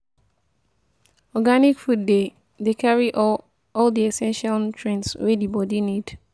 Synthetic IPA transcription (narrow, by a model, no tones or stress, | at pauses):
ɔɡanɪkfut̚de | dekʰaɹiʔ | ɔldiɛsɛ̃nʃaltʰɹɛ̃nswɛdibɔdinid̥